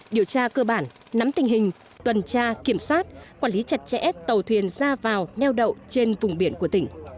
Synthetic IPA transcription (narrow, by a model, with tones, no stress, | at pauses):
ɗi˨˩əwt͡ɕaː˧kəː˧ɓaː˧˩n | na˨˦mt̪ï˨˩ŋ̟ɦï˨˩ŋ̟ | t̪wə˨˩nt͡ɕaː˧ki˧˩əmswaː˦˥t̚kwaː˧˩nli˨˦t͡ɕa˨˩t̚t͡ɕɛ̰˧˥t̪ə˨˩wt̪ʰwi˨˩ənzaː˧vaː˨˩wnɛ˧wɗə̰˧˨wt͡ɕe˧nvʊ˨˩ŋ͡mɓi˧˩ənku˧˩ət̪ï˧˩ŋ̟